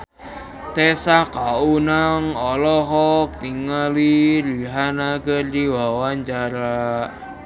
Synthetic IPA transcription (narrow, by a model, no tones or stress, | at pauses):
t̪esakaunaŋɔlɔɦɔk̚t̪iŋaliɾiɦanaɡərdiwawant͡ʃaɾa